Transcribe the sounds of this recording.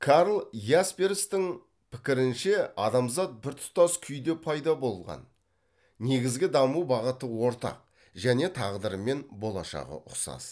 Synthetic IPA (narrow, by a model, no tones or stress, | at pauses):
kʰaɾlˠjaspeɾst̪ɪŋ | pʰɪ̥kʲɪɾɪnʃe̞ɑd̪ɑmzɑt̪̚bɪɾt̪ʰʊ̥t̪ɑskʲʰʏjd̪e̞pʰɑjd̪ɑbo̞lˠʁɑ̰nː | e̞ɡʲɪzɡʲɪd̪ɑmuwbɑʁət̪əwo̞ɾt̪ɑ̰q̚ | ʒæne̞t̪ʰɑʁd̪əɾəme̞nbo̞lˠɑ̰ʃɑ̰ʁə̰ʔʊqsɑ̰s